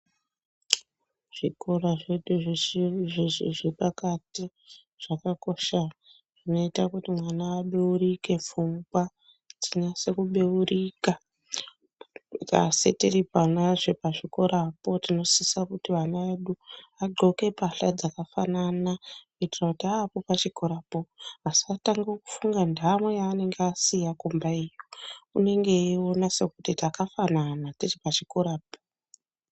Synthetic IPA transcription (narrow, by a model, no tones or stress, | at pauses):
ʐ̥ikoraʐeɗuʐ | eʐiʐepakati | ʐ̥akako̞ʃa | ʐ̥ino̞itakutimwanaːɓeuɾike̞fuŋɡwa | d͡ziɲase̞kuɓeurika | ka̰setiripanaʐepaʐiko̞ɾapo̞tino̞sisakutiʋanaʋeɗuaɡ͡ǃʱo̞ke̞paɬad͡zakafananakuitirakutiapopat͡ʃikoɾapo̞asiataŋɡoku̥fuŋɡandamwejaːne̞ŋɡeasijakombaijoune̞ŋɡe̞io̞nase̞kutitakafananatiripat͡ʃikoɾaːpo̥